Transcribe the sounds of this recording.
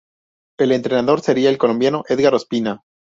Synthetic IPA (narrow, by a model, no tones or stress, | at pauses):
e̞le̞nt̪ɾenaðo̞ɾse̞ɾiaelko̞lo̞mbjano̞ʔe̞ðɣaɾospina